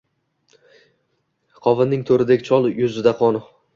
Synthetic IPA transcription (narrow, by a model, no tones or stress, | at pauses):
qʰɒvɪnːɪŋt̪ʰoɾɪd̪ekʲt͡ʃʰɒlˠjʊzɪd̪aqʰɒnʊ